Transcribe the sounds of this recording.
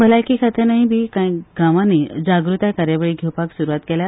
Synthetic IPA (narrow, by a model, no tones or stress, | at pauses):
bəlajkikʰat̪ʰənaɦibʱiːkãjɡãʋãniːd͡zaɡɾut̪ajkaɾjaʋeɭiːɡʱewpaksuɾuʋat̪kɛlja